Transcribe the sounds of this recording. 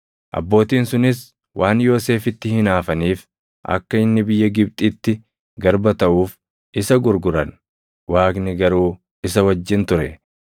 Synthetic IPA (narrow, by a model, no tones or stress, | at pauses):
ʔɐ̰bːo̞ːt̪iːnsʊnɪs | wʔaːnjo̞ːse̞ːfɪt̪ːɪhɪnaːfɐniːf | ʔɐ̰kːɐɪnːɪbɪjːɐɡɪb̚t̪ʼiːt̪ːɪ | ɡɐɾbɐt̪ɐʔuːf | ɪsɐɡʊɾɡʊɾɐn | wʔaːknɪɡɐɾuː | ɪsɐwɐd͡ʒːɪnt̪ʊɾɛ